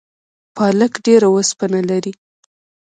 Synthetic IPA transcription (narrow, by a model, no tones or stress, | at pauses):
pɑləkɖeɾawəspanalaɾi